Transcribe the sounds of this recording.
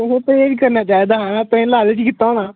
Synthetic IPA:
oɦõːpɾeːd͡ʒkəɾnaːt͡ʃaːiːd̪aːɦãːnat̪ẽːlaːleːt͡ʃikɪt̪ːaoːnãː

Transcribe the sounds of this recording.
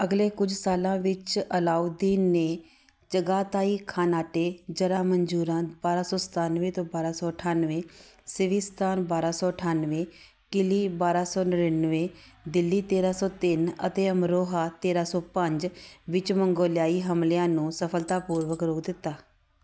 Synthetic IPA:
əɡleːkʊd͡ʒʱsaːlãːʋɪt͡ʃəlaːud̪iːnːeː | d͡ʒəɡaːt̪aːiːkʰaːnaːʈeːd͡ʒəɾaːməɲd͡ʒuːɾãːbaːɾaːsɔːsə̥t̪aːnʋẽːt̪õːbaːɾaːsɔːəʈʰaːnʋẽːsɪʋiːst̪ʰaːnbaːɾaːsɔːəʈʰaːnʋẽː | kɪliːbaːɾaːsɔːnəɾənʋẽː | d̪ɪlːiːt̪eːɾaːsɔːt̪ɪnə̰t̪eːəmɾoːɦaːt̪eːɾaːsɔːpəɲd͡ʒʋɪt͡ʃməŋɡoːljaːiːɦəmlɪjãːnũːsəpʰəlt̪aːpuːɾʋəkɾoːkd̪ɪt̪ːaː

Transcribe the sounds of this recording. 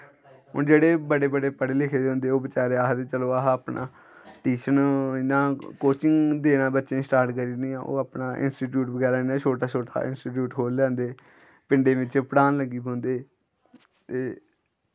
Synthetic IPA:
ɦʊ̰ːd͡ʒeːɽeːbəɽeːbəɽeːpəɽeːlɪkʰed̪eõnd̪eːoːbɪt͡ʃaːɾeːaːɦt̪eːt͡ʃəloːaɦaːpna̰ː | ʈiːʃənɪnãːkoːt͡ʃɪŋɡd̪eːnaːbətːʃẽːsʈaːɾʈkəɾiːnĩːãːʔo̰ːaːpnaːʔɪ̰nsʈiːʈjuːʈbəɡɛːɾaːɪnãːt͡ʃʰoːʈaːt͡ʃʰoːʈa̰ʔɪ̰nsʈiːʈ̬juːʈkʰoːllãːnd̪eː | pɪ̃ɳɖeːʋɪt͡ʃpəɽaːnləɡiːbõːnd̪eː | t̪eː

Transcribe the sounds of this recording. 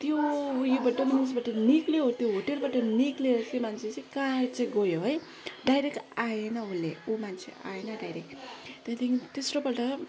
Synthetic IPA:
t̪jojobaʈʌmansʰebaʈʌnikleɦot̪joɦoʈelbaʈʌnikleʌkʰimant͡sʰet͡sʌĩkãt͡saĩɡojoɦʌj | ɖajɾekʈajenʌulːeomant͡sʰḛʔa̰jenʌɖajɾek̚t̪et̪ʰiŋt̪esɾopʌʈʌ

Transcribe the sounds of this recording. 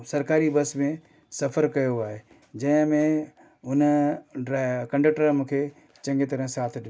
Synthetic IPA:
sɐɾkaːɾibɐsmẽ | sɐfəɾkɐjoaːɦe | d͡ʑɐ̃ɦɪ̃mẽ | ʊnɾkɐ̃ɳɖɐk̚ʈəɾmũːkʰe | t͡ɕɐ̃ŋɡet̪ɐɾə̃saːt̪ʰɗ

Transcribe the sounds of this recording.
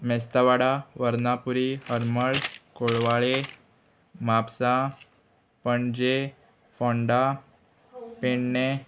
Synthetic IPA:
mɛst̪aʋaɽaʋəɾnapuɾihəɾməɭkoɭʋaɭe | mapsa | pəɳd͡ʑe | fɔ̃ɳɖa | peɳne

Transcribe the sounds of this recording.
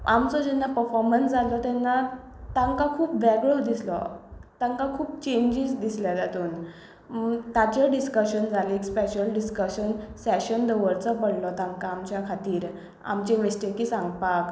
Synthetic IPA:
a̰mt͡sɔd͡ʑɛnːapəɾfɔɾmənsd͡zʱalɔt̪ɛnːa | t̪ãŋkakʰuːpʋɛɡɭɔd̪islɔ̰t̪ãŋkakʰuːpt͡ɕẽɲd͡ʑisd̪isljad͡zat̪uːn | t̪at͡ɕəɖiskəɕənd͡zʱalekspeɕəlɖiskəɕənsɛɕənd̪əʋəɾt͡sɔpəɽlɔt̪ãŋkaːmt͡ɕjakʰat̪iːɾ | a̰mt͡ɕemisʈekiːsãŋɡpak

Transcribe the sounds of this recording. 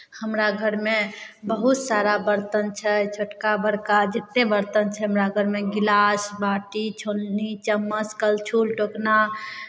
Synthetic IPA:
həmɾaɡʱəɾmebəɦut̪saɾabəɾt̪ənt͡ʃʰɛt͡ʃʰoʈkabəɾkad͡ʒet̪ːebəɾt̪ənt͡ʃʰɛɦəmɾaɡʱəɾmeɡilasbaʈit͡ʃʰolnit͡ʃəmːəskəlt͡ʃʰulʈokna

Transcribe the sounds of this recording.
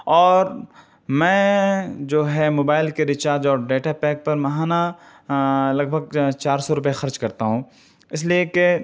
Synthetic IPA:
ɔːɾ | mɛ̃ːd͡ʒoːɦɛmoːbaːɪlkeɾɪt͡ʃaːɾd͡ʒɔːɾɖeːʈapɛːk̚pɐɾmɐɦaːna | lɐɡ̚bʱəɡt͡ʃaːɾsɔɾʊp̬ɦexɐɾd͡ʒkɐɾt̪aɦũ | ɪs̬lieke

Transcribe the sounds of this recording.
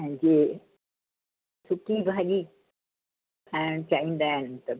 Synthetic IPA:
ɛ̃d͡ʑeː | sʊkibʱaːʄi | ɛ̃ːt͡ɕaːĩːn̆d̪aːɦɪnɪt̪ɐ

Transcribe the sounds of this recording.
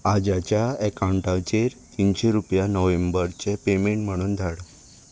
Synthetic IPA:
ad͡ʑat͡ɕjaɛkãwɳʈaʋt͡ɕeɾt̪inɕeɾupjanɔʋembəɾt͡ɕepemeɳʈm̤əɽ̃uːnd̪ʱaɽə

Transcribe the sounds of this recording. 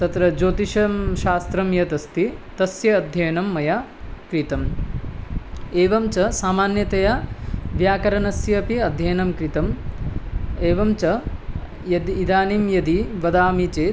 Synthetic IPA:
t̪ɐt̪ɾɐd͡ʒoːt̪iʃɐmʃaːst̪ɾɐmjɐt̪ɐst̪it̪ɐsjɐːd̪ʱjɐːnɐmːɐja | kɾit̪ɐm | eːʋɐmt͡ʃɐsaːmaːnjɐt̪ɐjaʋjaːkɐɾɐnɐsjɐɐpiɐd̪ʱjɐjnɐmkɾit̪ɐm | eːʋɐmt͡ʃɐ | jɐd̪iːd̪aːnimjɐd̪iʋɐd̪aːmit͡ʃeː

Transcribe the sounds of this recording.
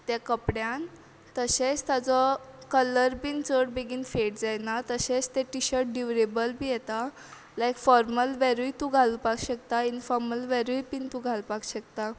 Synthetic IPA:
t̪jakəpɽjan | t̪əɕet͡st̪jad͡zɔkələɾpint͡səɽbeɡʱiːnfeʈ̚d͡zajnat̪əɕet͡st̪eʈiɕəɾʈ̚ɖiʋɾebəlbʱiːjɛt̪a | lajkfɔɾməlʋɛɾujt̪ũɡʱaluːpakɕəkt̪ainfɔɾməlʋɛɾujpint̪ũɡʱalpakɕək̚t̪a

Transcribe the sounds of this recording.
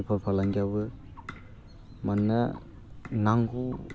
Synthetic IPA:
pʰaɾpʰalaŋɡiaβɯ | manːa | naŋɡu

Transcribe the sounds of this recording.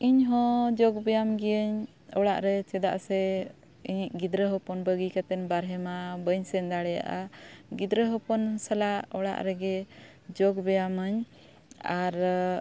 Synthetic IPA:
iɲɦɔ̃d͡ʒɔɡbɛjamɡɛjəɲ | ɔɽaʔɾɛt͡ʃɛd̪a̰ʔsɛ | iɲiʔ̚ɡid̪ɾəɦɔpɔnbəɡikat̪ɛnbaɾɦɛmabəɲsɛnd̪aɽɛja̰ʔaɡid̪ɾəɦɔpɔnsəlaɔɽa̰ʔɾɛɡɛ | d͡ʒɔɡbɛjaməɲ | aɾ

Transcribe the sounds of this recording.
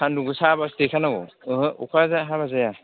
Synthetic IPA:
sʰanduɡɯsabastekʰanaɡɔ̰ɯɦɯukʰazaɦaβazaja

